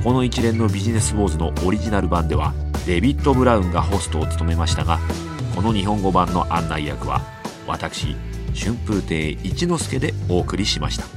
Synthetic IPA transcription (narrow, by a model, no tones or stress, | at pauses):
ko̞no̞it͡ɕiɾẽ̞nːo̞bʲiʑine̞sɨbo̞ːzɨno̞ʔoɾʲiʑinaɾɯ̟bãnd̪e̞β̞a | d̪e̞bʲit̪ːo̞bɯ̟ɾaɯ̟̃ŋɡaɦo̞sɨ̥t̪o̞ːt͡sɨ̥t̪o̞me̞maɕi̥t̪aɡa | ko̞no̞ɲ̟iɦõ̞ŋɡo̞bãnːo̞ʔãnːaijakɯ̟βa̰ | βa̰t̪akɯ̟̥ɕḭɕɨ̃mpɯ̟ːt̪e̞ːit͡ɕino̞sɨ̥ke̞d̪e̞o̞ːkɯ̟ɾʲiɕimaɕi̥t̪ḁ